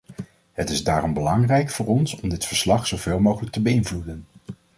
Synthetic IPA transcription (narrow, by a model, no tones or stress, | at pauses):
ɦətɪzdaːrɔmbəlɑŋrɛjkfʊːɹɔnsɔmdɪtfəɹslɑχsowveːlˠmowχələk̚təbəɪnvludən